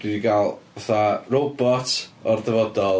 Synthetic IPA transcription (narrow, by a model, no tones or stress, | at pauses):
d̥wiɡalˠaθarobɔtʰɔrðɛvɔdɔlˠ